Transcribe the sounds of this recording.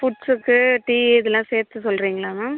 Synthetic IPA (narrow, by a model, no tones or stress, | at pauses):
fʊʈsɯkːɯʈiːɪðɛlːãːseːɾt̪ːɯsɔlːɾiːŋɡɐɭaːna